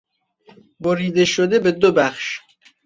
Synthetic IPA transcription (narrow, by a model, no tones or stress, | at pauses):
boɾiːd̪eʃod̪ebed̪obæχʃ